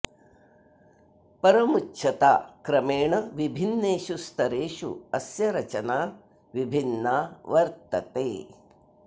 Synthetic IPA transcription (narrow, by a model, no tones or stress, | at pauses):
pɐɾɐmut͡ʃʰɐt̪a̰ːkɾɐmeːɳɐʋibʱinːeːʃust̪ɐɾeːʃṵɐsjɐɾɐt͡ʃɐnaː | ʋibʱinːaːʋɐɾt̪ɐt̪eː